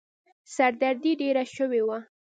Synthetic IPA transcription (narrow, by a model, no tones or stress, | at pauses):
saɾd̪aɾd̪iɖeɾaʃəwewa